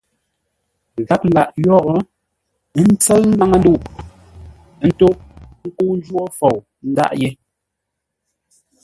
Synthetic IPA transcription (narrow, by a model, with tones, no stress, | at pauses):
ɣa˦p̚la˨ʔjɔ˦ɣɔ˦ | n̩˦t͡sə˦lm̩˦ba˦ŋə˦n˦du˦˨ʔ | n̩˦to˦ŋ̩˦ku˦n˦d͡ʒwɔ˦fɔ˨w | n̩˦da̰˦ʔje˦